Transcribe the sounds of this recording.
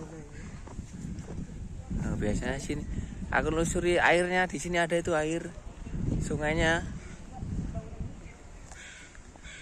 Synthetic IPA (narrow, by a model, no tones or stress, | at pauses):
nob̥iasaɲasinia̰kʊnlusuɾia̰ɪrɲad̪̥i̤siniada̤it̪uaɪr | suŋaɲa